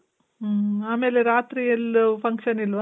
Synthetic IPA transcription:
aːmeːleɾaːt̪ɾiɐlupʰɐŋkʂɐnilʋa

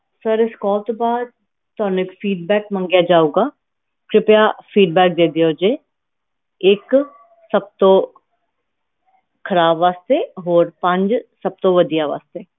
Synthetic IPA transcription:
səɾɪskɔːt̪obaːd̪̚ | t̪ɔːnɪkfʰiːɖbɛːk̚mə̃ŋɡjad͡ʒaːuːɡaː | kɾɪpjafʰiːɖbɛːk̚d̪eːd̪ijoːd͡ʒeː | ɪk | sɐb̚t̪õ | kʰɐɾaːbʋaːst̪eɦoːɾpə̃ɲd͡ʒsɐb̚t̪õʋɐd̪ijaʋa̰ːst̪eː

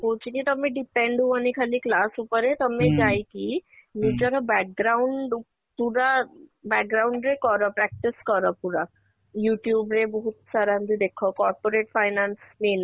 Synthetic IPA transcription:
kot͡ʃʰikit̪əmẽɖipeɳɖɦũanikʰaliklasupəɾet̪əmed͡ʒajkinud͡ʒəɾɔbɛk̚ɡɾauɳɖ | puɾabɛk̚ɡɾawuɳɖɾekɔɾɔpɾɛk̚ʈiskɔɾɔpuɾa | juʈjuːbɾebɔɦut̪saɾand̪id̪ekʰɔkɔɾpoɾeʈfʰajnansnen

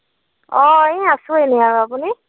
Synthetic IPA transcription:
ɔ̃ɛ̃asʊenɛjaɹapuni

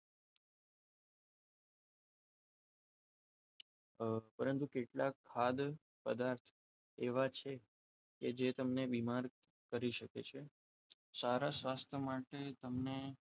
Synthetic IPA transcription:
pəɾənt̪ukeʈlakʰːad̪ | pəd̪aɾt̪ʰ | eʋat͡ʃʰe | ked͡ʒet̪əmnebimaɾ | kəɾiʃəkḛt͡ʃʰe | saɾasʋast̪ʰjəmaʈet̪əmne

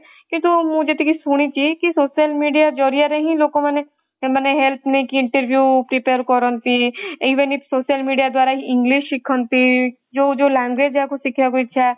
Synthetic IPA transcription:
kĩt̪umũd͡ʒet̪ikisuɽ̃it͡ʃiːkisoːʃiəlmiːɖijad͡ʒoːɾijaɾeɦĩloːkõmɛːne | mɛːneɦɛlp̪ʰnekiɪ̃ɳʈəɾʋjuːpɾipeːɾkɔɾə̃nt̪iiːʋənɪfʰsoːʃəlmiːɖijad̪waːɾaɦiʔɪ̃ŋɡlɪʃɪkʰə̃nt̪i | d͡ʒoːd͡ʒoːlɛ̃ːŋɡʋeːd͡ʒɛːkosɪkʰjakoɪt͡ʃʰa

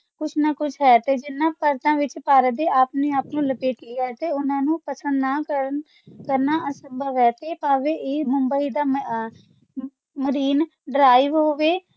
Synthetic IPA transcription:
kʊt͡ʃʰnakʊt͡ʃʰɦɛːt̪eːd͡ʒɪnːãːpəɾt̪ãːʋɪt͡ʃpaːɾəd̪eːaːpneːaːpnũːləpeːʈiːɦɛːt̪eːʊnãːnũːpəsə̃nd̪naː | kəɾnaːʔəsəmbəʋɛːt̪eːpaːʋeːʔeːmʊmbəiːd̪aː | məɾiːn | ɖɾaːiʋɦoːʋeː

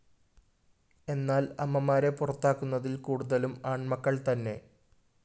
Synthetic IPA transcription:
e̞nːaːlɐmːɐmaːɾe̞purɐt̪ːaːkːunːɐðilkuːɽuðɐlumaːɳmɐkːɐɭt̪ɐnːe̞̰

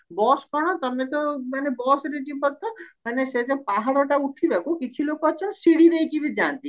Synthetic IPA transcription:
bɔskɔɽ̃ɔt̪əmẽt̪ɔmanebɔsɾid͡ʒibɔt̪ɔmanesed͡ʒɔpaɦaɽɔʈauʈʰibɛkukit͡ʃʰilokoət͡ʃʰɔnsiɽiɾəjkibid͡ʒant̪i

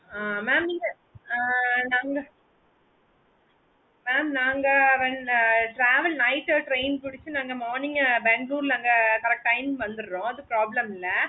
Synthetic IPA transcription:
aːmaːmiŋɡɐ | naːŋɡɐ | meːmnaːŋɡɐʋɛnʈɾaːʋɐlnɐɪʈːʈɾeɪnpɪɽɪt͡ʃːɯnaːŋɡɐmaːɾnɪŋɡbɛːŋɡluːɾɪlɐŋɡɐkɐɾɛk̚ʈɐɪnʋɐnd̪ɯɾɾõːɐðɯpɾaːblɐmɪlːɐ

